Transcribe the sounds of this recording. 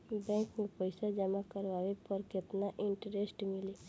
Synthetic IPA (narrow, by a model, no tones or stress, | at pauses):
bɛ̃ːŋkmẽpəɪsad͡ʒəmakəɾʋaːʋepəɾkɪt̪naʔɪ̃ɳʈəɾesʈmɪli